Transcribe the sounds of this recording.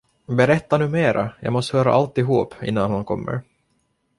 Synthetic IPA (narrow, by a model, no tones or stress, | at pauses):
bɛɾɛt̪ːanʉ̟ːmeːɾʔajɑ̰ːɡmɔst̪hœːɾa̰ʔalt̪ɪɦuːpɪ̰nːanhankʰɔ̰mːə̰ɾ